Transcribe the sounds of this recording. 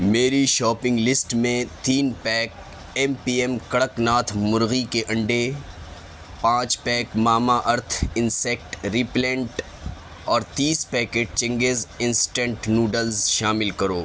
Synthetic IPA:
meːɾiʃɔːpɪ̃ŋɡlɪsʈmẽt̪iːnpɛːk̚ | ɛmpiːemkɐɽəknaːt̪ʰmʊɾɣikeʔɐ̃ɳɖe | pãːt͡ʃpɛːkmaːmaʔɐɾt̪ʰɪnsɛk̚ʈɾiːplɛ̃ːɳʈ | ɔːɾt̪iːspɛːkeːʈt͡ʃɐ̃ŋɡeːzɪnsʈɛ̃ɳʈnuːɖəlzʃaːmɪlkɐɾoː

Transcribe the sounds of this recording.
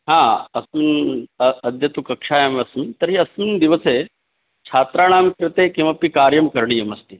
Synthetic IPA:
ɦãːɐsmin | ɐd̪ʱjɐt̪ukɐkʂaːjɐmɐsmint̪ɐɾɦiɐsmind̪iʋɐseː | t͡ʃʰaːt̪ɾaːɳ̃aːmkɾɪt̪eːkĩw̃ʋapikaːɾjɐmkɐɾɳijɐmɐst̪i

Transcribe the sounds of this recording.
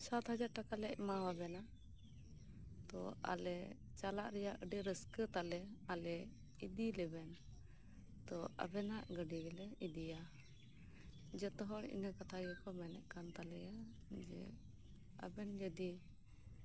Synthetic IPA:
sat̪ɦad͡ʒaɾʈakalɛʔmawabɛna | t̪ɔa̰lɛ | t͡ʃalaʔɾɛjaʔəɖiɾəskət̪alɛalɛ | id̪ilɛbɛn | t̪ɔa̰bɛnaʔɡəɖiɡɛlɛid̪ija | d͡ʒɛt̪ɔɦɔɽḭnəkat̪ʰajɔkɔmɛnɛʔkant̪alɛja | d͡ʒɛ̰ | a̰bɛnd͡ʒəd̪i

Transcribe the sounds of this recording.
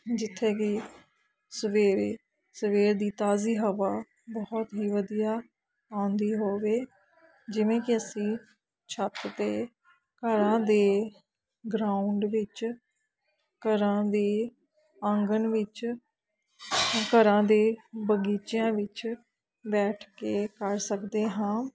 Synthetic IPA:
d͡ʒɪt̪ʰːeːkɪ | səʋeːɾeː | səʋeːɾd̪iːt̪aːziːɦəʋaː | bɔht̪ɦiːʋəd̪ijaː | ãːnd̪iːɦoːʋeː | d͡ʒɪʋẽːkɪəsĩː | t͡ʃʰət̪t̪eː | kəɾãːd̪eː | ɡɾaːʊɳɖʋɪt͡ʃ | kəɾãːd̪eː | əŋɡənʋɪt͡ʃ | kəɾãːd̪eːbəɡiːt͡ʃjãːʋɪt͡ʃ | bɛːʈʰkeːkəɾsəkd̪eːɦãː

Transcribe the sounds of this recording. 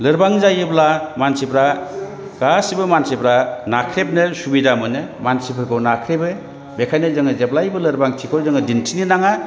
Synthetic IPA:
lɯɾbaŋzajɯblamansipɾa | ɡ̥asibɯmansepɾanakʰɾep̚nɯsubidamɯnɯmansipʰɯɾkʰɯwnakʰɾebɯ | bekʰajnɯzɯŋɯzeplajbɯlɯɾbaŋtʰikʰoɾzɯŋɯdintʰininaŋa

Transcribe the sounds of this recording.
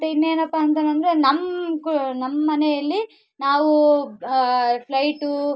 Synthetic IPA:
t̪ɐinːeːnɐpːɐɦɐnt̪̬ɐnɐnd̪ɐɾenɐmːknɐmːɐːɐnɛjɐlːi | naːʋu | pʰlɐjʈu

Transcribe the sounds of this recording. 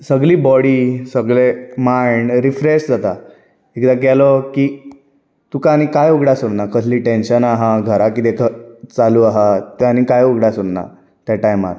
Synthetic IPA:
səɡliːbɔɽiːsəɡɭemaiɳɾifɾesd͡zat̪a | ekd̪akɛlɔkiː | t̪ukanikajuɡɽjasoɽnakəsliːʈẽnɕənaɦãɡʱəɾakit̪ekət͡saluaɦat̪ɛanikajuɡɽjasoɽna̰ | t̪jaʈajma̰ɾ

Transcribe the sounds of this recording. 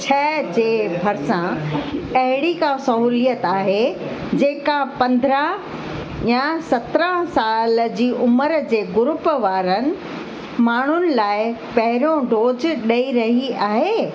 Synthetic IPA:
t͡ɕʰɛːd͡ʑeːbʱɐɾsãɐɦɪɽikãsɐɦuːlijət̪aːɦe | d͡ʑeːkapɐ̃nd̪ʱɾə̃ɦ | jãsɐt̪ɾə̃ɦsaːld͡ʑiːʔʊməɾd͡ʑeːɡʊɾʊpəʋaːɾənɪ̆ | maːɳ̤ʊnɪ̆laːɪpɐɦɪɾõɖoːd͡ʑɗɐiɾɐɦiaːɦeː

